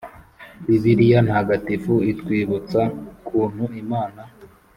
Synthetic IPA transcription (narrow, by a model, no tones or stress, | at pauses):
iziɾijan̥haɡatifuitkwiːβut͡sakʰuːn̥huimaːna